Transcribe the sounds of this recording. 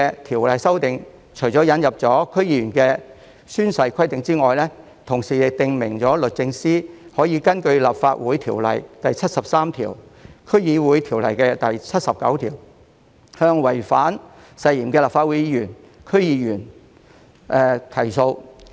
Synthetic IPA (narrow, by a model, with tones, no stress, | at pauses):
ɛ˧t̪ʰiː˨˩wlɐ˨jsɐ˥wt̪ɪ˨ŋ | t͡ʃʰɵ˨˩jt͡sɔː˨˥jɐ˨˥njɐ˨p̚t͡sɔː˨˥kʰɵ˥ɥjiː˧ɥyː˨˩nkɛː˧ | syː˥nsɐ˧jkʰɐ˥jt̪ɪ˨ŋt͡siː˥ŋɔː˨jlɛː˥ | t̪ʰʊ˨˩ŋsiː˨jɪ˨k̚t̪ɪ˨ŋmɪ˨˩ŋt͡sɔː˨˥lɵ˨t̚t͡sɪ˧ŋsiː˥hɔː˨˥jiː˨˧kɐ˥nkɵ˧ɥla˨pfaː˧t̚wuː˨˥jt̪ʰiː˨˩wlɐ̰˨˩jt̪ɐ˨jt͡sʰɐ˥t̚sɐ˨p̚saː˥mt̪ʰḭː˨˩wkʰɵ˥ɥjiː˧wuː˨˥jt̪ʰiː˨˩wlɐ̰˨˩jkɛː˧t̪ɐ˨jt͡sʰɐ˥t̚sɐ˨p̚kɐ̰˨˥wt̪ʰiː˨˩w | hœː˧ŋwɐ˨˩jfaː˨˥n | sɐ˧jjiː˨˩mkɛː˧laː˨˩faː˧uː˨˥jiː˧ɥyː˨˩n | kʰɵ˥ɥjiː˨˧jyː˨˩n | ʔɛː˨t̪ʰɐ˨˩jso˧w